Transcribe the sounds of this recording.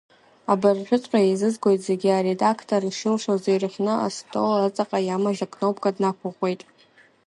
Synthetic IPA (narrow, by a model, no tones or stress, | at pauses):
abɨrħʷᶣʊtʼħʷʼaizɨzɡʷo̞jtʼze̞ɡʲiaɾe̞dakʰtʰoriʂɨlʂozejrɨχʲʷnɨa̰stʰʼolat͡sʼaqʼajamaʒakʰʼnowpkʼadnakʷʰaʁʷe̞jtʼ